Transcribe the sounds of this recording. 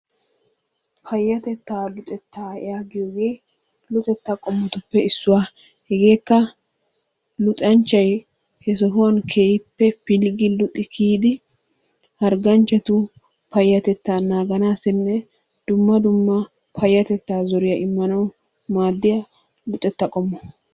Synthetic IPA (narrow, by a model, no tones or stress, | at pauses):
pʰɐjːɐt̪ɛt̪ːaːlʊt̪ʼɛt̪ːaːɛ̰jaːɡɪjoːɡe̞ː | lʊt̪ʼɛt̪ːakʼɔmːɔt̪ʊpːɛɪsːʊwaː | hɛɡe̞ːkːɐ | lʊt̪ʼɐnt͡ʃːɐj | hɛs̬ɔɦʊwɐnkʰeːjɪpːɛpɪlɡɪlʊt̪ʼːɪkʰiːd̪ɪ | hɐɾɡɐnt͡ʃːɛt̪ʊ | pɐjːɐt̪ɛt̪ːaːnaːɡɐnaːsɪnːɛ | d̪̥ʊmːɐd̪ʊmːɐ | pʰɐjːɐt̪ɛt̪ːaːzɔɾɪjɐʔɪmːɐnɐw | maːd̪ːɪjɐ | lʊt̪ʼɛt̪ːɐkʼɔmːɔ